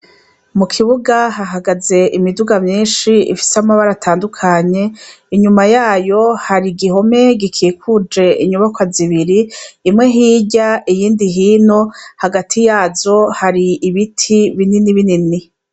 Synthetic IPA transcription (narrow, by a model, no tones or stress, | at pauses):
mukʰiβuɡahaɦaɡaze̞ʔimiduɡamɲiːnʃiḭfi̥seamaβaɾatʰaːndukʰaɲe̞ | iɲumajaːjo̞haɾiɡiho̞me̞ɡikʰikʰud͡ʒe̞ʔiɲuβakwaziβiɾiːmŋe̞ɦiːɟaijiːndiɦiːno̞haɡatʰijaːzo̞haɾiiβitʰiβininiβinini